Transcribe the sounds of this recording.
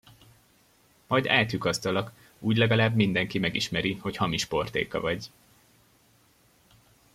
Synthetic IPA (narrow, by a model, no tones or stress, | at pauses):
mɒjd̪a̰ːlt̪ykɒst̪ɒlɒk | uːɟlɛɡɒlaːbmind̪ɛŋkimɛɡiʃmɛɾiho̞chɒmiʃpo̞rt̪ḛːkɒ̰vɒɟ